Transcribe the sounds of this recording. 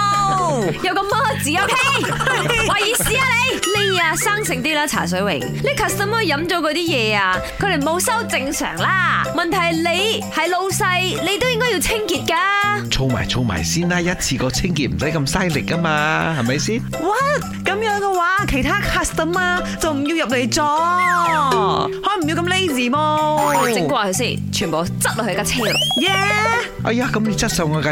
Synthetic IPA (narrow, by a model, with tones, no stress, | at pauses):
jɐ˨˧wkɐ˧mːaː˥t͡siː˨˩jɐ˨˥wkʰe˥ | waː˨jiː˨˩siː˧˥aː˧le˨˧jle˥˧a˧saː˥ŋsɪ˨ŋt̪iː˥laː˥t͡sʰa̰ː˨˩s̬ɵ˨˥ɥwɪ̰˨˩ŋliː˥kʰa˨˧st̪ɐ˨˦mhɔ˧jːɐ˨˥mt͡ʃɔ˨˥kɔː˧t̪iː˥jɛː˨˧aː˧kʰɵ˨˧ɾe˨˩mo˨˧wsɐ˥wt͡sɪ˧ŋsœ̰ː˨˩ŋlaː˥mɐ˨nt̪ʰɐ˨˩jle˨˧jhɐ˨jlo˧wsɐ˧jle˨˧jt̪o˥wjɪ˥ŋkɔː˥ji˧wt͡sʰɪ˥ŋkiː˧t̚kaː˧t͡sʰo˧wma̰ː˨˩jt͡sʰo˧wma̰ː˨˩jsiː˥nlaː˦˥jɐ˥t̚t͡sʰiː˧kɔː˧t͡sʰɪ˥ŋkiː˧t̚m̩˨˩sɐ˨˥jkɐ˧msɐ˥jlɪ˨k̚ːɐ˥maː˧hɐ˨jmɐ˨˦jsiː˥n | wa˨˩t̚kɐ˨˧˥mjœː˨˥ŋkɛ˧waː˨˥kʰe˨˩jt̪ʰaː˥kʰaː˧st̪ɐ˨˩maː˧ | t͡sɐ˨wm̩˨˩jiː˧wjɐ˨p̚le˨˩jt͡sɔː˧ | hɔː˨˥m̩˨˩ji˧wkɐ˧mle˥jsiː˨˩mo˧t͡sɪ˧ŋkʷwaː˧kʰɵ˧siː˥˩ | t͡ʃʰyː˨˩npo˨˧t͡sɐ˥t̚lɔ˨˩hɵ˧˥kaː˧˩t͡sʰɪ˥ŋ˨jɛ˨˧˩ | ʔɐ̰˧˩jaː˧kɐ˨˦mji˧t͡sɐ˥t̚sɐ˧wŋɔː˨˧ka˧